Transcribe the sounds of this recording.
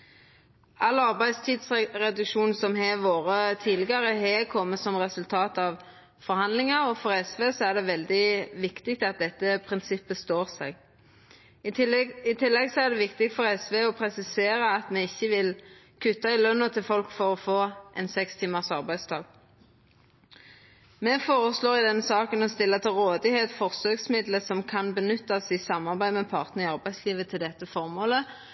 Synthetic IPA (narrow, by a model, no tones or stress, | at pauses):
ʔɑlːɑʁbæɪst̪ʰiːd̪sʁɛd̪ʉkʃuːnsɔmɦɛʋoːɾət̪ʰiːlɪɡɑʁəɦɛkʰɔmːəsɔmʁɛsʉlt̪ʰɑːt̪ɑʋ | fɔɾhɑnd̪lɪŋɑɾɔfɔʁɛsʋeːsɔæʁd̪ɛʋɛld̪ɪʋɪkt̪ɪk̚t̪ɑt̪̚d̪ɛt̪ːəpʰʁɪnsɪpːəst̪oːʁsɛɡ | ɪt̪ʰɪlːɛɡsɔæd̪ɛʋɪkt̪ɪk̚t̪fɔʁɛsʋeːɔpʰɾɛsɪseːʁəɑt̪mɛɪçːəʋɪl | kʰʉt̪ːɑɪlœnːɑt̪ʰɪlfɔlkfɔʁɔfoːʔɛnsɛkst̪ʰiːməʁsɑʁbæɪst̪ʰɑːɡ | mɛfoːʁəsloːʁɪd̪ɛnːsɑːkənɔst̪ɪlːɑt̪ʰɪlʁoːd̪ɪheːt̪fɔʁsøːɡsmɪd̪ləsɔmkʰɑnbənʏt̪ːɑsɪsɑmːɑʁbæɪd̪mɛpʰɑʁt̪nəʁɪɑʁbæɪsliːʋət̪ʰɪld̪ɛt̪ːəfɔʁmoːlə